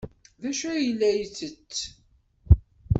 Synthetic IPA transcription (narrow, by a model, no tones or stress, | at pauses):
ðæʃæjəlːæjət͡sːət͡sː